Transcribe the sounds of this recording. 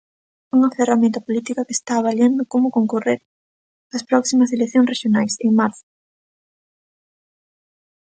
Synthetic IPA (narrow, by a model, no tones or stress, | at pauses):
uŋɐferamẽnt̪ɐpolit̪ikɐkest̪aːβaljend̪ʊkomʊkoŋkoreɾ | ɐspɾɔksimɐs̬elekθjõŋsreʃjonajseŋmaɾθʊ